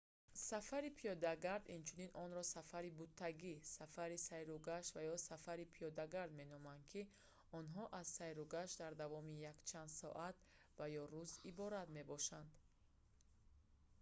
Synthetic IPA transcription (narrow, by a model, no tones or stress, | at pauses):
safaɾipʰijɔd̪aɡaɾd̪int͡ʃʰuninɔnɾɔsafaɾibut̪ʰːaɡisafaɾisajɾuɡaʃvajɔsafaɾipʰijɔd̪aɡaɾd̪me̞nɔmand̪̚kʰi | ɔnɦɔʔazsajɾuɡaʃd̪aɾd̪avɔmijakt͡ʃʰand̪sɔ̰ʔat̪ | vajɔɾuzibɔɾat̪me̞bɔʃand̪